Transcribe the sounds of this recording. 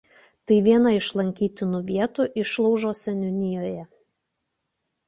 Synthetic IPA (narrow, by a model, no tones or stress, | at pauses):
t̪ɐɪʋʲiɛnɐɪʃlˠɐŋʲkʲiːt̪ʲɪnuʋʲiɛt̪uˑʔɪʃlˠɒʊʒoːsʲɛnʲʊnʲɪjoːjɛ